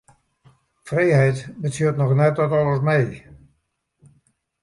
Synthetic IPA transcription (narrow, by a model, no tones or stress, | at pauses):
frejhɛjtbətiətnɔxnɛt̚ɔtɔləsmɛj